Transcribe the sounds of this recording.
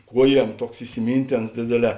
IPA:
ˈkuɔˌjiɛm ˈtuɔks ɪsʲɪˈmʲiːnʲˌtʲeːns ˈdʲeːdʲeːˌlʲɛː

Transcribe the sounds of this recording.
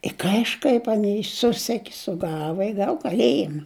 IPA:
ɪ kɐɪʃˈkɐɪp ɐˈnʲɛɪ ˈsʊsʲɛkʲɪ sʊˈɡɑːʋɐ ɪ ˈɡɐw kɐˈlʲeːjɪmɐ

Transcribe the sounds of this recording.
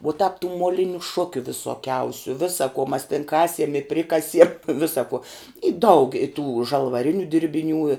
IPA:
uɔ tɑːp tuː moːˈlʲɪnʲʊ ˈʃʊkʲʊ ʋʲɪsoːˈkʲɛʊsʲʊ ʋʲɪsɐ kuɔ mɐs tʲɪn ˈkɑːsʲiɛm ɪ ˈpʲrʲɪkɐsʲiɛm ˈʋʲɪsɐ kuɔ ɪ dɐʊk ɪ tuː ʒɐlˠʋɐˈrʲɪnʲʊ dʲɪrʲbʲɪˈnʲuː ɪ

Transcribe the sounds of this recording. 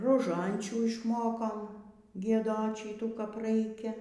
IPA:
roːˈʒɐnʲt͡ʃʲuː ɪʃˈmoːkoːm ɡʲiɛˈdoːt ˈʃʲiːtuː kɐp ˈrɐɪkʲɛ

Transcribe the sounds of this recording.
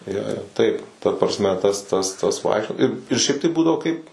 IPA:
ˈjoː joː ˈtɐɪp tɐ prɐsʲˈmʲɛ ˈtɐs tɐs ˈtɐs ˈʋɐɪkʃʲt͡ʃʲoː ɪr ɪr ˈʃʲɛɪp tɐɪ ˈbuːdɐʋoː kɐɪp

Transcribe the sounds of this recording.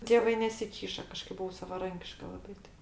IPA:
tʲeːˈʋɐɪ nʲɛsʲɪˈkʲiːʃɐ kɐˈʃkɐɪp bʊˈʋɐʊ sɐʋɐˈrɐŋʲkʲɪʃkɐ lˠɐˈbɐɪ ˈtɐɪ

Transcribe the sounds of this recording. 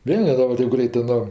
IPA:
ˈʋʲeːlˠ nʲɛˈrɐnt ˈtʲeːp ˈɡrʲɛɪtɜ ˈnoː

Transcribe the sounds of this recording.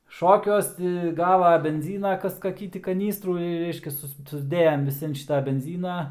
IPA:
ˈʃoːkʲuɔs tʲɪ ˈɡɑːʋɐ bʲɛnʲˈzʲiːnɐ ˈkɐs kɐˈkʲiː tʲɪ kɐˈnʲiːstruː ɪr ˈrʲɛɪʃʲkʲɛs ˈsʊs sʊzʲˈdʲeːjɛm ʋʲɪˈsʲɪ ɐn ˈʃʲɪtɐ bʲɛnʲˈzʲiːnɐ

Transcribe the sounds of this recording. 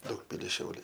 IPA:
ˈdɐʊkpʲɪlʲɪs ˈʃʲɛʊlʲɛɪ

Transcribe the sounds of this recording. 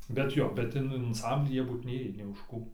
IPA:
bʲɛt ˈjoː bʲɛt ˈɪn ɐnˈsɐmʲbʲlʲiː ˈjiɛ ˈbuːt ˈnʲeːjiː nʲeː ʊʃ ˈkuː

